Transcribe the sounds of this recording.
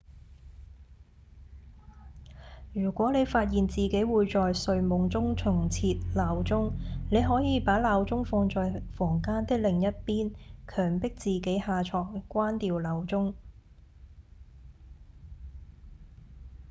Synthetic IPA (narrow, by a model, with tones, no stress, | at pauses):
jyː˨˩kʷɔː˨˥ne˨˧jfaː˧t̚jiː˨nt͡siː˨ke˨˥jwuː˨˧jt͡sɔː˨jsɵ˨˧ɥmʊ˨˥ŋt͡sʊ˥ŋt͡sʰʊ˨˩ŋt͡sʰiː˧t̚laː˨˧wt͡sʊ˥ŋne˨˧jɦɔː˨˥jiː˨˧paː˨˥laː˨˧wt͡sʊ˥ŋfɔː˧ŋt͡sɔː˨˧jfɔː˨˩ŋkaː˥nt̪ɪ˥k̚lɪ˨ŋjɐ˥t̚piː˥nkʰœː˨˩ŋpɪ˥k̚t͡siː˨ke˨˥jhaː˨˧t͡ʃʰɔː˨˩ŋkʷaː˥nt̪iː˨˧wlɐ˨˧wt͡sʊ˥ŋ